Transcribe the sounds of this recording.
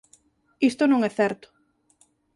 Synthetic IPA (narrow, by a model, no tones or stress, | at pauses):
ist̪ʊnõŋɛθɛɾt̪ʊ̥